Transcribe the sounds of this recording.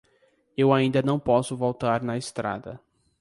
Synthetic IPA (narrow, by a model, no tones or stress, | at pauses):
ewaĩnd̪ɐnɐ̃w̃pɔsʊvowt̪aɾnɐest̪ɾa̰d̪ɐ̰